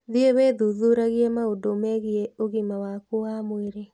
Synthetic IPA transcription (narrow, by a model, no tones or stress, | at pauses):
ðieβeðuðuɾaɣiɛmaodomɛɣieoɣimawakoamweɾe